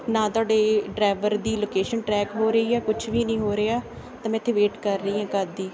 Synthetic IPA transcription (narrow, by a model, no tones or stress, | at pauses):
nãːt̪ʊaːɖeːɖɾaːʋəɾd̪iːloːkeːʃənʈɾɛːkɦoːɾəiːɛːkʊt͡ʃʰʋiːnĩːɦoːɾeːaː | t̪ãːmɛ̃ːɪt̪ʰːeːʋeːʈkəɾːəĩːɦɛ̃ːkəɾd̪iː